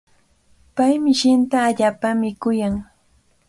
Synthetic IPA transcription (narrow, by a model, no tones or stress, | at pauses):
pajmɪʃɪnt̪aːʎaːpamɪkʊjaŋ